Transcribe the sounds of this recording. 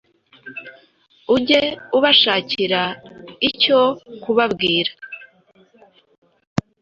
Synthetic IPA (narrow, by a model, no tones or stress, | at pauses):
uɟe̞uβaʃaːciɾaico̞kuβabɡiːɾḁ